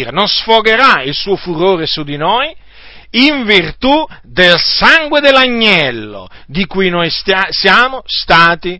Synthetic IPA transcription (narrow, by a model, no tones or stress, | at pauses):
ɾenonsfoɡeɾailsuːofuɾoːɾesud̪inoj | iɱvirt̪ud̪elsaŋɡwed̪elːaɲːɛlːo̰d̪ikujnojssjaːmost̪aːt̪i